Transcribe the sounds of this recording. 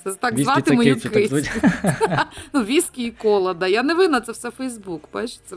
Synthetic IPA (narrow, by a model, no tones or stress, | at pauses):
sɛt̪ɑkzʋɑt̪ɪmenʲikɪ | nuʋʲisʲkʲiikɔlˠɐd̪ɑjaneʋɪnɐt̪sɛwsɛfɛjzbukbɑʃt̪sɛ